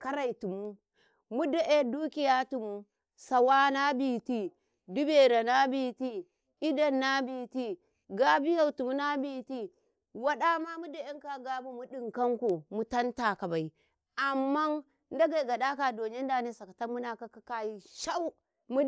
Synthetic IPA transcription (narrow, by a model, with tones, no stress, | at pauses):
ka˦ɾa˨i˨tu˨mu˦ | mu˦da˨ʔe˦du˦ki˨ja˦tu˨mu˦ | sa˨wa˦na˦bi˨ti˦ | du˦be˨ɾa˨na˦bi˦˨ti˦ | i˦da˦nːa˦bi˨ti˦ | ɡa˦bi˦ja˦˨wtu˨mu˦na˦bi˦ti˦ | wa˦ɗa˦ma˦mu˦da˨e˦ŋ˦ka˦ɡa˦bu˦mu˦ɗi˨ŋka˦ŋko˨mu˦ta˦nta˨ka˨ba˨i˨ | a˨mːa˦n | n˦da˦ɡa˨i˨ɡa˨da˦ka˨do˨ɲe˦n˦da˨ne˦sa˨ka˨ta˦mu˦na˨ka˦ka˦ka˦ji˦ʃa˦u˦ | mu˦